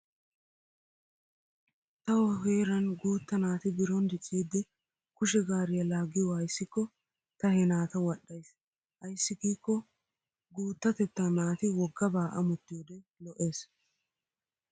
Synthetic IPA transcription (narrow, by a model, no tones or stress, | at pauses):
t̪ɐwɔheːɾɐnɡuːt̪ːɐnaːt̪ɪbɪɾɔnd̪ɪt͡ʃʼːiːd̪ːɪ | kʊʃɛɡaːɾɪjɐlaːɡɪjwaːjɪsːɪkːɔ | t̪ɐhɛnaːt̪ɐwɐɗːɐjs | ʔɐjsːɪɡiːkːɔ | ɡuːt̪ːɐt̪ɛt̪ːanaːt̪ɪwɔɡːɐbaːʔɐmʊt̪ːɪjɔd̪ɛlɔʔe̞ːs